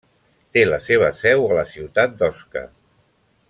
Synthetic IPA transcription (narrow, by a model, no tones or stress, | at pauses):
t̪eləseβ̞əsɛwələsiwt̪at̪̚d̪ɔskə̰